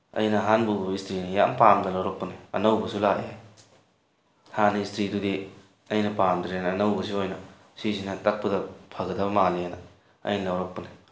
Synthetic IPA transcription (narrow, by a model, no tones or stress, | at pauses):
ɐ̰jnɐɦanbubɐbɐistɾinijampamdɐlɐwɾɐk̚pɐneɐ̰nɐwbɐsulaeaj | hanistɾidudi | ɐjnɐpamdɾijanɐːnɐwbɐs̬iojnɐ | sisinɐtɐk̚pɐdɐpʰɐɡɐdɐbɐmalianɐ | ɐ̰jnɐlɐwɾɐk̚pɐne